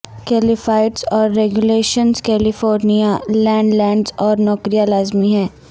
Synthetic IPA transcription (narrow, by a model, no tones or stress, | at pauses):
kɛːlɪfaːɪʈsɔːɾːɛɡuleːʃənzkɛːlɪfoːɾnijalɛ̃ːɳɖlɛ̃ːɳɖzɔːɾnɔkɾijalaːzmiɦɛ̃ː